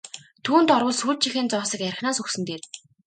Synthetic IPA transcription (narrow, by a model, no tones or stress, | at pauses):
t̪ʰuːnt̪ɔɾwʊ̆ːɮsuːt̚t͡ɕʰixeːnt͡sɔːsə̆kæɾʲxnaːsuxsɘ̆nt̪eːr